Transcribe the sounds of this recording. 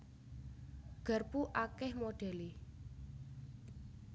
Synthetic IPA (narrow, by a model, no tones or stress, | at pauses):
ɡ̥ə̤rpuʔakɪhmoɖ̥e̤li